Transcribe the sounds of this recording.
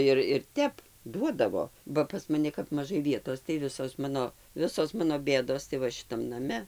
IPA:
ˈɪr ɪr ˈtʲɛp ˈduɔdɐʋoː bɐ pɐs mɐˈnʲɪ kɐp mɐˈʒɐɪ ˈʋʲiɛtoːs tɐɪ ˈʋʲɪsoːs ˈmɑːnoː ˈʋʲɪsoːs ˈmɑːnoː ˈbʲeːdoːs tɐɪ ˈʋɐ ʃʲɪˈtɐm nɐˈmʲɛ

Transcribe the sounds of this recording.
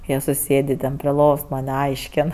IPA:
ˈjiɛ sʊˈsʲeːdʲeː tʲɛn pʲrʲɪ ˈlˠoːʋoːs ˈmɑːnʲˈɐɪʃʲkʲɛn

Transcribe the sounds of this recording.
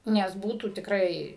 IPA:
ˈnʲɛs ˈbuːtuː tʲɪkˈrɐɪ

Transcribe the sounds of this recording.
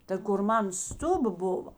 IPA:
tɐ kʊr ˈmɑːnɐ ˈstʊbɐ ˈbʊʋɐ

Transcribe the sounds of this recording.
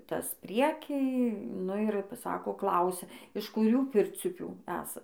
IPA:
ˈtɐs ˈpʲrʲiɛkʲiː nʊ ɪr p ˈsɑːkoː ˈklˠɐʊsʲɛ ɪʃ kʊˈrʲuː ˈpʲɪrʲt͡sʲʊpʲuː ˈæːsɐ

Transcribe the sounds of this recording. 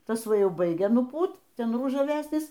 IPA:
ˈtɐs ˈʋɐ ˈjɛʊ ˈbɐɪɡʲɛ nʊˈpuːt ˈtʲɛn rʊʒɐˈʋʲæːsʲnʲɪs

